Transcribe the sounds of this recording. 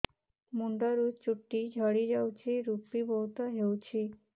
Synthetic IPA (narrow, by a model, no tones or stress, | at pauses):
muɳɖəɾut͡ʃuʈːid͡ʒʱəɽid͡ʒawt͡ʃʰiɾupibɔwt̪ɔɦewt͡ʃʰi